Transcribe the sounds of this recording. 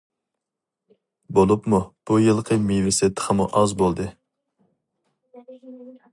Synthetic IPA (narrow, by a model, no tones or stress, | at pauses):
bolˠupmub̥ujɨlˠqʰəmevɪsɪt̪ʰχʰəmuʔɑzbolˠd̪ɨ